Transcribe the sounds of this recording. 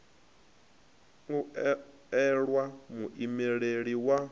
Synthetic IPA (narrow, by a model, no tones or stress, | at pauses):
ŋu | ɛɺwamuʔimɛɺeɺiwa